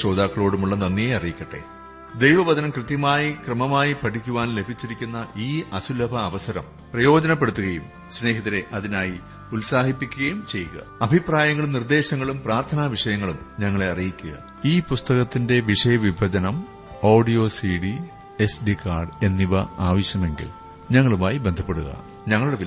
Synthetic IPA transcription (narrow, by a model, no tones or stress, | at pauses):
t͡ɕo̞ːd̪aːkːɐɭo̞ːɽumuɭːɐnɐnːijeɐrijikʲːɐʈːe̞̰ | d̪ejʋɐʋɐd̪ɐnɐmkrɨt̪jɐmaːjikrɐmɐmaːjipɐʈʰikʲːuʋaːnle̞bʱit͡ɕːiɾikʲːunːɐʔiːɐsulɐbʱɐːʋɐsɐɾɐm | prɐjo̞ːd͡ʑɐnɐpːeɽut̪ːuɣɐjum | sne̞ːɦɐðiɾe̞ʔɐðinaːji | ulsaːhipːikʲːuɣɐjumt͡ɕe̞jːuɣɐ̰ɐbʱipraːjɐŋːɐɭumnird̪e̞ːɕɐŋːɐɭumpraːrt̪ʰɐnaʋiʂɐjɐŋːɐɭumɲɐŋːɐɭeɐrijikʲːuɣɐ̰ | iːpust̪ɐɣɐt̪ːinde̞ʋiʂɐjɐʋibʱɐd͡ʑɐnɐm | o̞ːɖijo̞ːsiɽi | e̞sɖikːaːrɖe̞nːiʋɐ̰aːʋɐɕjɐme̞ŋɡḭl | ɲɐŋːɐɭumaːjibe̞nd̪ʱɐpːeɽuɣɐ̰ | ɲɐŋːɐɭuɽei